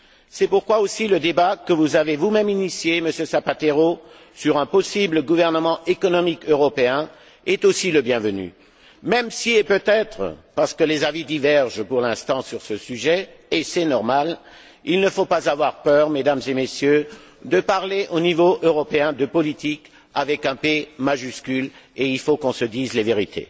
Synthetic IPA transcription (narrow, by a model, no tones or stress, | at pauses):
sɛpuʁkwaosiləd̪ebakəvuzavevumɛminisjeməsjøsapat̪eʁo | syʁɛ̃pɔsibləɡuvɛʁnəmɑ̃ekɔnɔmikøʁɔpeɛ̃ | ɛt̪osiləbjɛ̃vəny̰ | mɛmsiɛpøt̪ɛt̪χə̰paʁsə̥kəlezavid̪ivɛʁʒpuʁlɛ̃st̪ɑ̃syʁsəsyʒɛesɛnɔʁmal | ilnəfopazavwaʁpœʁmed̪amzemesjø | d̪əpaʁleʔonivoʔøʁɔpeɛ̃d̪əpɔlit̪ik | avɛkɛ̃pemaʒyskʲyleilfokɔ̃səd̪izleveʁit̪ʰḛ